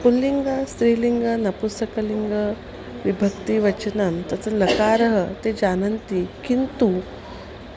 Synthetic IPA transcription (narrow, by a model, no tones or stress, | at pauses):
pulːiŋɡast̪ɾiːliŋɡənɐpust̪əkəliŋɡə | ʋibʱək̚t̪iʋət͡ʃənamt̪ət͡sələkaɾəɦət̪ed͡ʑanənt̪ikint̪u